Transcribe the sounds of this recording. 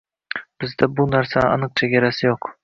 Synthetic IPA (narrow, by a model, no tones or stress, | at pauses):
b̥ɪzd̪abʊnaɾsaɑnɨq̚t͡ʃʰeɡʲaɾasɪjoq